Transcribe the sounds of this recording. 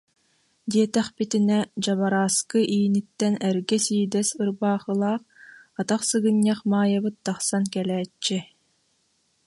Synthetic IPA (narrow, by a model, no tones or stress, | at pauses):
d̪iɛt̪ɛχpit̪inɛd͡ʑaβaɾaːskɯʔiːnit̪ːɛnɛɾɡɛsiːd̪ɛsɯɾbaːχɯlˠaːχat̪aχsɯɡɯɲːaχmaːjabɯt̪̚d̪aχsankɛlɛːt͡ʃːi